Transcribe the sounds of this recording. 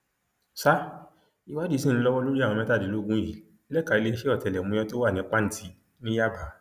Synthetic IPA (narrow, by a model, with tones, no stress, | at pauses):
sa˦ | i˦wa˦di˦sĩ˦˨ĩ˧lɔ˦wɔ˦lo˦ɾi˦a˦˨wɔ̃˧mɛ̃˦ta˦˨di˨˦lo˦˨ɡũ˦ji˨ | lɛ˦ka˨i˧le˧i˧ʃe˦ɔ˦˨tɛ˨lɛ˨mũ˧˦jɛ̃˧˦to˦wa˦˨nĩ˨˦k͡pa˦n̩˦ti˧˦ | nĩ˦ja˦ba˨˦